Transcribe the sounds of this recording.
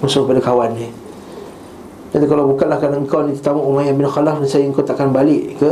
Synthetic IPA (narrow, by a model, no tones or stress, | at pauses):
musʊkpadakawanːi | at̪ukalawbukanlahkanaŋkawnit̪ə̥t̪amuʔumajanbinxɔlafnasajaŋkawt̪aʔkanbalɪʔkə